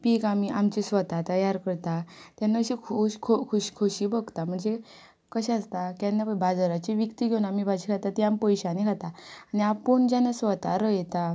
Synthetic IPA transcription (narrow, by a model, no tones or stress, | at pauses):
piːkamiʔamt͡ɕisʋət̪at̪əjaɾkəɾt̪at̪janːaɕikʰuɕkʰokʰuɕkʰoɕiːbəɡt̪am̤əɳd͡ze | kəɕãast̪akãnːapəbad͡zaɾat͡ɕiʋikt̪iɡʱeunamibad͡ʑikʰat̪at̪iampəjɕanekʰat̪aaniapəɳd͡ʑanasʋət̪a̰ɾəjt̪a